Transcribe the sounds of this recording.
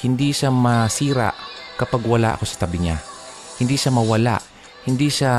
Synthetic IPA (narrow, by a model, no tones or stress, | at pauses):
hɪnd̪iʃamɐsiːɾa̰ʔkɐpaɡwala̰ʔɐ̰kosɐ̥t̪abɪɲa̰ | hɪnd̪iʃamɐwala̰ʔ | hɪnd̪iʃa